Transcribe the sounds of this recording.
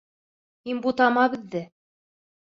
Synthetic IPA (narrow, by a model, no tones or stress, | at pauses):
hinbut̪ɑmɑβɘ̆ðːɘ